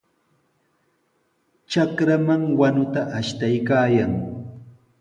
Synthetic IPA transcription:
t͡ʃakɾamaŋwanʊt̪aʔaʃt̪ajkaːjaŋ

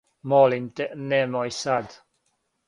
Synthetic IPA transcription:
mɔlint̪enemojsad̪

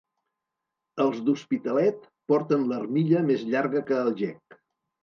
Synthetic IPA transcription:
əlˠzd̪uspit̪əlɛt̪̚ | pɔɾt̪ənlərmiʎəmezʎaɾɣəkəːlˠʒɛk

